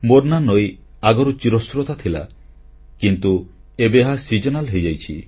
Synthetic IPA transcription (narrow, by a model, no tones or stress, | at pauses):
moɾnanɔjaɡɔɾut͡ʃiɾɔsɾot̪at̪ʰila̰ | kint̪uebeɦasid͡ʒɔnalɦejd͡ʒajt͡ʃʰi